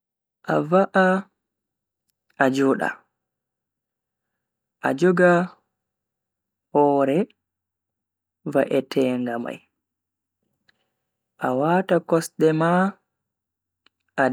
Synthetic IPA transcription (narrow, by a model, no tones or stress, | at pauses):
ʔa̰vaʔa | ʔad͡ʒɔːɗa̰ | ʔa̰d͡ʒɔɡa | hɔːɾɛ | vaʔɛtʰɛːŋɡama̰j | ʔawatakɔsɗɛma | ʔa